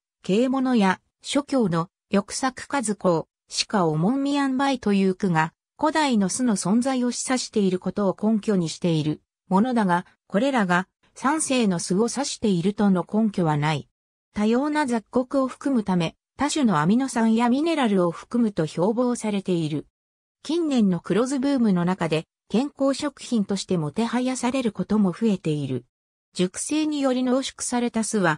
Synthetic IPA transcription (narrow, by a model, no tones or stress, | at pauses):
ke̞ːmo̞no̞ja | ɕo̞kʲo̞ːno̞ | jo̞kɯ̟̥sakɯ̟̥kazɨko̞ː | ɕi̥kaomõ̞mːʲiãmbait̪o̞jɯ̟ːkɯ̟ŋa | ko̞d̪aino̞sɨno̞sõ̞nzaio̞ɕi̥saɕi̥t̪e̞iɾɯ̟ko̞t̪o̞ːkõ̞ŋkʲo̞ɲ̟iɕi̥t̪e̞iɾɯ̟ | mo̞no̞d̪aɡa | ko̞ɾe̞ɾaɡa | sãɰ̃se̞ːno̞sɨɡo̞saɕi̥t̪e̞iɾɯ̟t̪o̞no̞kõ̞ŋkʲo̞βanai | t̪ajo̞ːnazakːo̞kɯ̟o̞ɸɯ̟̥kɯ̟mɯ̟t̪ame̞ | t̪aɕono̞amʲino̞sãɰ̃jamʲine̞ɾaɾɯ̟o̞ɸɯ̥kɯ̟mɯ̟t̪o̞ço̞ːbo̞ːsaɾe̞t̪e̞iɾɯ̟ | kʲĩnːẽ̞nːo̞kɯ̟ɾo̞zɨbɯ̟ːmɯ̟no̞nakad̪e̞ | kẽ̞ŋko̞ːɕo̞kɯ̟̥çĩnt̪o̞ɕi̥t̪e̞mo̞t̪e̞hajasaɾe̞ɾɯ̟ko̞t̪o̞mo̞ɸɯ̟e̞t̪e̞iɾɯ̟ | d͡ʑɨkɯ̟̥se̞ːɲ̟ijo̞ɾʲino̞ːɕi̥kɯ̥saɾe̞t̪asɨβa